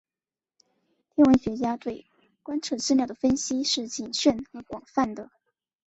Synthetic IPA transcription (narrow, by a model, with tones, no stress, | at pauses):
t̪ʰjɛ˥nwə˧˥nɕɥɛ˧˥t͡ɕja˥t̪we˥˩ɪ | kwa˥nʈ͡ʂʰɤ˥˧ʈ͡ʂɻ̩˥˧ljɑ˥˩ʊd̪ə˩fə˥nɕi˥ʂɻ̩˥˩t͡ɕi˨˩nɕɥɛ˥˩nxɤ˧˥kwɑ˨˩ŋfa˥˩nd̪ə˩